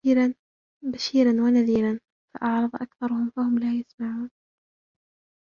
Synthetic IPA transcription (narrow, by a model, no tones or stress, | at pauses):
ɾan | baʃiːɾanwanaðiːlan | fa̰ʔɑʕɾˤɑðˤʔa̰kθɑɾˤʊhʊmfahʊmlaːjasmaʕuːn